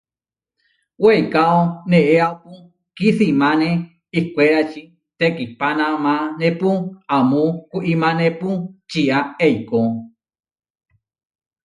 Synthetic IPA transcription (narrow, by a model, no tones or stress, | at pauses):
wejkaoneʔeapu | kiθimane | ihkʷeɾat͡ʃi | t̪ekipanãmanepuamukuʔimãneput͡ʃiʔaeiko